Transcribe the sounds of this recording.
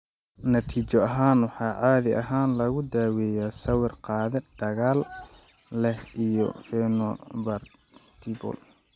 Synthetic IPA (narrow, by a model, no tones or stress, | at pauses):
nɐt̪ʰiːt͡ʃɔɐɦaːnwɑħɑːʕɑːðɪʔɐɦaːnlɐɣʊd̪aːwɛjaːsɐwɪrqɑːðɪd̪̥ɐɣaːlː | ɛhʔijɔ̰fɛnɔbɐr | t̪ʰibɔ̰l